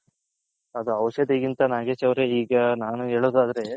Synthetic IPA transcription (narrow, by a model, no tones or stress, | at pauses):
ɐd̪uɐʋɐʃɐd̪iɡint̪ɐnaːɡeːsɐʋɾeiːɡɐnaːnuɦe̞ːɭoːd̪aːd̪ɐɾe̞